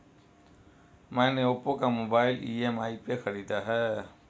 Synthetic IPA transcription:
mãneopokamobaːjilḭemaːipekʰəɾid̪aɦɛ

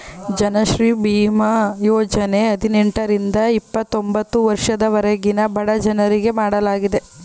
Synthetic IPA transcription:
d͡ʒɐnɐʃɾiːbiːmɐjoːd͡ʒɐne̞ɐd̪ineɳʈɐɾind̪ɐipːɐt̪ːo̞mbɐt̪ːuʋɐɾʂɐd̪ɐʋɐɾɐɡinɐbʱɐɽɐd͡ʒɐnɐɾiɡe̞maːɽɐlaːɡid̪e̞

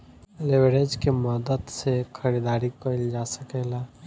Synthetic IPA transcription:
leʋɾeːd͡ʒkeməd̪əd̪sekʰəɾid̪aːɾikəɪld͡ʒaːsəkeːlaː

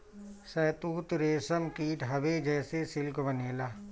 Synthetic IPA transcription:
sɛːt̪uːt̪ɾeːsəmkiːʈɦɐʋed͡ʒɛːsesɪlkbəneːlaː

